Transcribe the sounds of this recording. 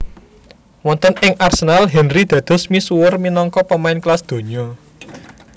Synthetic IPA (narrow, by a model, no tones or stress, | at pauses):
wɔnt̪ənɪŋʔarsənalɦɛnrid̪̥ä̤d̪̥ɔ̤smisuwʊrminɔŋkɔpəmaɪnklasd̪̥o̤ɲɔ